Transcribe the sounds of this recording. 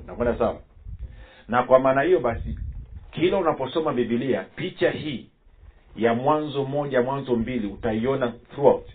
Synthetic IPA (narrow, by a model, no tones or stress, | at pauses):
nakwɛndasawa̰ | nakwamaːnahijɔɓasikʰilaunapɔsɔmabiɓiliapit͡ʃahiː | jamwanzɔmɔʄamwanzɔmbiliutaiɔnaθɾuaut